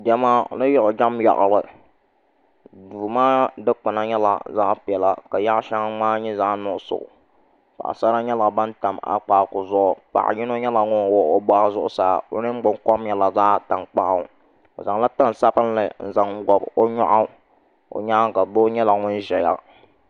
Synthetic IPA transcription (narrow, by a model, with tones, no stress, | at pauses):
dɛ˦ma˦˨nɨ˦jʊ˦ʔʊ˨d͡ʒa˦mja̰˨ʔlɨ˨ | duː˨maː˦dɨ˦k͡pɨ˨na˦ɲɛ˦la̰˨za̰ː˦ʔpɪ˨ɛ˨la˨ka˨ja˦ʔʃa˦ŋ˦maː˦ɲɛ˦zaː˦ʔnʊ˦sʊ̰˨ʔʊ̰˨ | pa̰˨ʔsa˦ɾa˦ɲɛ˦la˨ba˦n˦ta˨ma̰˦k͡paː˦˨kʊ˨zʊ˦ʔʊ˨pa̰˨ʔɲɪ˦no˦ɲɛ˦la˨ŋʊ˦n˨wɔ˦o˦ba˦˨˦zʊ˦ʔʊ˦saː˦˨o˦nɨ˦ɡ͡bʊ˦ŋ˦kɔ˦mɲɛ˨la˨zaː˦ta˨ŋk͡pa˦ʔ | o̰˨za˨ŋla˦ta˦n˨sa˦bɨ˦n˦lɨ˨n̩˦za˨˦ŋ˦ɡɔ˨bo˦ɲɔ˦ʔa˦ | o̰˨ɲa˦ŋka˨bo˦ɲɛ˦la˨ŋʊ˦n˦ʒɛ˨ja̰˦